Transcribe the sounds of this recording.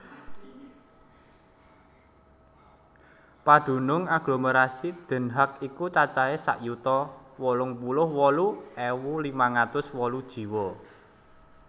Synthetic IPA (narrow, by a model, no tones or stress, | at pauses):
pad̪̥ṳnʊŋaɡ̥loməɾasid̪̥ə̤nɦakikut͡ʃat͡ʃaesa̰ʔjut̪ɔwɔlʊŋpulʊhwɔluʔɛwulimaŋat̪ʊswɔlud̥ʒ̥i̤wɔ